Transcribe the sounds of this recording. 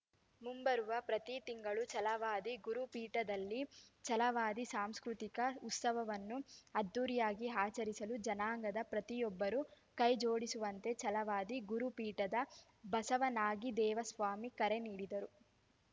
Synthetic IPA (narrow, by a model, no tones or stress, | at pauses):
mumbɐɾuʋɐpɾɐt̪it̪iŋɡɐɭut͡ʃɐlɐʋaːd̪iɡuɾupiːʈɐd̪ɐlːit͡ʃɐlɐʋaːd̪isaːmskɾut̪ikɐut̪sɐʋɐʋɐnːuɐd̪ːuːɾijaːɡiɦaːt͡ʃɐɾisɐlud͡ʒɐnaːŋɡɐd̪ɐpɾɐt̪ijɔbːɐɾu | kɐjd͡ʒo̞ːɽisuʋɐnt̪e̞t͡ʃɐlɐʋaːd̪iɡuɾupiːʈɐd̪ɐ | bɐsɐʋɐnaːɡid̪ɛːʋɐsʋaːmikɐɾe̞niːɽid̪ɐɾu